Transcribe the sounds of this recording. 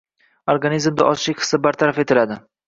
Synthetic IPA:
oɾɡanizmd̪a̰ʔɒzʃɪkʲhɨ̥sːɪbaɾt̪ʰaɾafe̞t̪ʰɪlad̪ɪ

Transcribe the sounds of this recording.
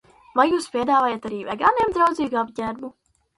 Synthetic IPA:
vajuːspʲiɛd̪aːvaːjat̪aɾiːvɛɡaːneɛmd̪ɾawd̪ziːɡuabɟʲæɾbu

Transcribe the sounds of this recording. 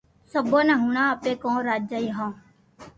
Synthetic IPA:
səbõːnãːɦuːɳãːəpeːkõːɾaːd͡ʒaːiɦãː

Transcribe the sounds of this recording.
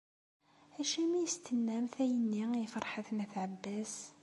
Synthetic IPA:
æʃæmæjəst̪ənːæmθæjənːiifəɾˤħaθnæθʕəbːæs

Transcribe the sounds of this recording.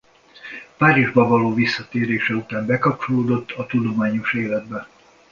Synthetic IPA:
paːɾiʒbɒvɒloːvisːɒt̪eːɾeːʃɛut̪aːmbɛkɒp̚t͡ʃo̞loːd̪o̞t̪ːɒt̪ud̪o̞maːɲo̞ʃeːlɛd̪bɛ

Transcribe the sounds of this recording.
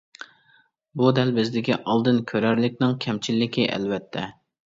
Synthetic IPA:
bud̪ɛlbɪzd̪ɪkʲiʔɑlˠd̪ɨnkʲʰøɾæɾlɪkʲnɪŋkʲʰɛmt͡ʃʰilːɪkʲiʔɛ̰lvɛt̪ʰːɛ

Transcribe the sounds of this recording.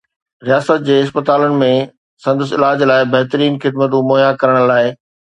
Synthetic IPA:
ɾijaːsət̪̚d͡ʑeːɪspət̪aːlənɪ̆mẽ | sɐ̃nd̪əs̬ɪlaːd͡ʑlaːɪbɐɦt̪əɾiːnxɪd̪mət̪̬ũmoːjakɐɾəɽ̃laːɪ

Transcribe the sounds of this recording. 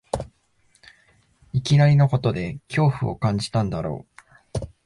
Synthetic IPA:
ikʲinaɾʲino̞ko̞t̪o̞d̪e̞kʲo̞ːɸɯ̟̰o̞̰kãɲ̟d͡ʑi̥t̪ãnd̪aɾo̞̰ː

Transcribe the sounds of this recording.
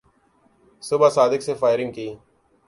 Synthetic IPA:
sʊbaːsaːd̪ɪkseːfaːɪɾɪ̃ŋɡ̚kiː

